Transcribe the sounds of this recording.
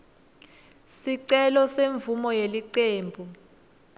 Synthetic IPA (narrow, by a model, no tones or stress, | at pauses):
siǀɛlɔseɱvumɔjeliǀeːmbʱu